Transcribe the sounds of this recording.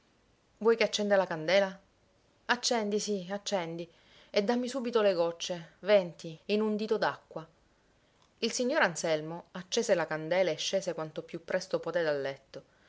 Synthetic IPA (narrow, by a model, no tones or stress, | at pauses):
vwɔjkeat͡ʃːɛnd̪alakand̪ɛːla | at͡ʃːɛnd̪isiat͡ʃːɛnd̪i | ed̪ːamːisuːbit̪oleɡɔt͡ʃːevɛnt̪iːnund̪iːt̪od̪akːwa | ilsiɲːoːɾansɛlmoat͡ʃːeːselakand̪ɛːlaeʃːeːsekwant̪opjupːɾɛst̪opoːt̪ed̪alːɛt̪ːo